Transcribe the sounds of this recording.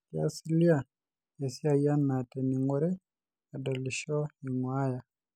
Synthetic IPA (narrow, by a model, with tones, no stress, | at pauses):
kia̰˦si˦li˦a˨ | e˨si˦a˦ja˦nːa˨tɛ˨ni˨ŋɡɔ˦ɾɛ˦ | a˨da˨li˨ʃɔ˦i˨ŋwa˦ja˨